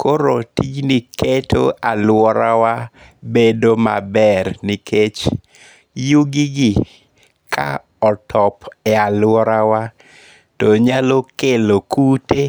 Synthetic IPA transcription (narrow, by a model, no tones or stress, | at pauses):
koɾotid͡ʒniketʰoalwɔɾawa | bedoma̰bɛɾnikʰet͡ʃ | juɡiɡi | kʰa̰ | ɔtʰɔpɛalwɔɾawa | toɲalokelokute